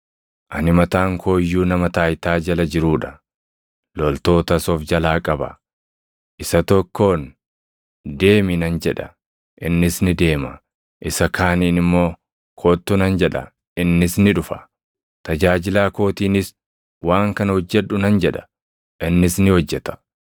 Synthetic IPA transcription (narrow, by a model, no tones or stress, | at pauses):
ʔɐnɪmɐt̪aːŋkʰo̞ːjːuːnɐmɐt̪aːjt̪aːd͡ʒɐlɐd͡ʒɪɾuːᶑɐ̥ | lɔlt̪o̞ːt̪ɐsɔfd͡ʒɐlaːkʼɐbɐ̰ | ʔɪsɐt̪ɔkʰːo̞ːn | d̪e̞ːmɪnɐnd͡ʒɛᶑɐ̰ | ʔɪnːɪsnɪd̪e̞ːmɐ | ʔɪsɐkʰaːniːnɪmːo̞ː | kʰoːt̪ːʊnɐnd͡ʒɛᶑɐ̰ | ʔɪnːɪsnɪᶑʊfɐ̥ | t̪ɐd͡ʒaːd͡ʒɪlaːko̞ːt̪iːnɪs | waːŋkɐnɐhɔd͡ʒːɛᶑːʊnɐnd͡ʒɛᶑɐ̥ | ʔɪnːɪsnɪhɔd͡ʒːɛt̪ɐ̥